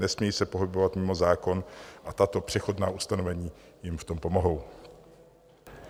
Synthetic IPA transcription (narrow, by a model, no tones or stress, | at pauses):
nɛsmɲɛjiːsɛpo̞ɦɪbo̞vat̪mɪmo̞zaːko̞nʔat̪at̪o̞pr̝̥ɛxo̞dnaːʔust̪ano̞vɛɲiː | jɪmft̪o̞mpo̞mo̞ɦo̞w